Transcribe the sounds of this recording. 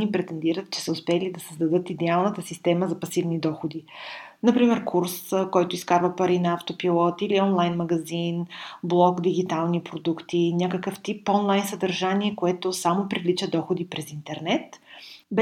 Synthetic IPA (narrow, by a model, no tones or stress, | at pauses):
nipɾɛt̪ɛnd̪iɾət̪̚t͡ʃɛ̥səʊspɛlid̪ɐsəzd̪ɐd̪ɤt̪id̪ɛalˠnət̪əsist̪ɛməzɐpɐsivnid̪ɔxod̪inɐpɾimɛɾkʰuɾskɔjt̪ʊiskaɾvəpɐɾinɐaft̪opilˠɔt̪iliɔnlˠajnmɐɡɐzinblˠɔɡd̪iɡit̪alˠnipɾod̪ukt̪inʲakəkəft̪ipɔnlˠajnsəd̪ɐɾʒaniɛkoɛt̪osamopɾivlit͡ʃəd̪ɔxod̪ipɾɛzint̪ɛɾnɛt̪b